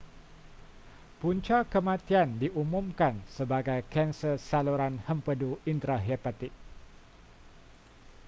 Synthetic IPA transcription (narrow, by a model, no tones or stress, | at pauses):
puɲt͡ʃakəmãt̪iandiʔumũmkansəbaɡajkɛnsərsaluɾanhəmpəduint̪ɾaɦɛpat̪ɪk̚